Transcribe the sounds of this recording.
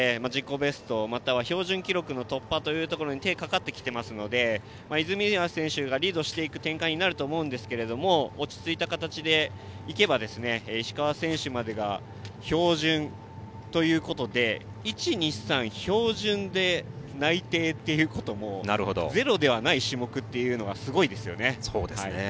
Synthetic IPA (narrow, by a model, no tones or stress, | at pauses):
mad͡ʑikːo̞be̞sɨ̥t̪o̞mat̪aβ̞aço̞ːʑɨ̃ŋkʲiɾo̞kɯ̟no̞t̪o̞pːat̪o̞jɯ̟ːt̪o̞ko̞ɾo̞ɲ̟it̪e̞ːkakat̪ːe̞kʲi̥t̪e̞masɨno̞d̪e̞ | maizɨmʲiβasẽɰ̃ɕɨɡaɾʲiːd̪o̞ɕi̥t̪e̞ikɯ̟̥t̪ẽ̞ŋkaɲ̟inaɾɯ̟t̪o̞ːmo̞ɯ̟̃nd̪e̞sɨ̥ke̞ɾe̞d̪o̞mo̞ːt͡ɕi̥t͡sɨit̪akat̪at͡ɕid̪e̞ | ike̞bad̪e̞sɨne̞ɕi̥kaβasẽ̞ɰ̃ɕɨmad̪e̞ɡa̰ | ço̞ːʑɨ̃n | t̪o̞jɯ̟ːko̞t̪o̞d̪e̞ | it͡ɕiɲ̟isãɰ̃ço̞ːʑɨ̃nd̪e̞nait̪e̞ːt̪ːe̞jɯ̟ːko̞t̪o̞mo̞na̰ɾɯ̟hod̪o̰ze̞ɾo̞d̪e̞β̞anaiɕimo̞kɯ̟t̪ːe̞jɯ̟ːno̞ɡasɨɡo̞id̪e̞sɨjo̞̰ne̞so̰ːd̪ehaie